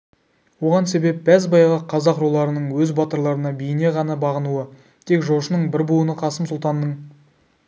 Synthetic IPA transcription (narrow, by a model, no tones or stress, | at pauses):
wo̞ʁɑnse̞be̞p̚bæzbɑjʁɑqʰɑzɑqrolˠɑɾənəɴwɵzbɑt̪əɾlˠɑɾənɑbejɪne̞ʁɑnɑbɑʁənuə | t̪ʰe̞kʒo̞ʃənəɴbɪɾbuənəqʰɑsəmsʊlˠt̪ɑnd̪əɴ